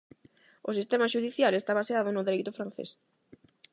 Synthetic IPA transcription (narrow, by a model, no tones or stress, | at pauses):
ʊsist̪emaʃuðiθjalest̪aβaseaðʊnʊðeɾejt̪ʊfɾan̟θḛs